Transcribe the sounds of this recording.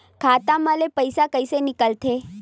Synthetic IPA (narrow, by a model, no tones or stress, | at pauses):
kʰat̪ãməlepəjsakəjsenɪkəlt̪ʰe